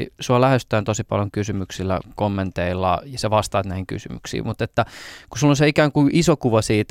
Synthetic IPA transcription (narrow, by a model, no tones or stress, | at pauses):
suɑlæhest̪æːnt̪osipɑ̰ljoŋkysymyksilːæ̰komːent̪eilːɑ̰jɑseʋɑst̪ɑːt̪næihiŋky̰sy̰my̰ksḭːmut̪et̪ːækusulːonseikæːŋkuʔisokuʋɑsiːt̪